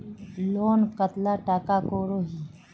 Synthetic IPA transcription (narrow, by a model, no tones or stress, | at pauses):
loːnkət̪laːʈaːkaːkoːɾoːɦiː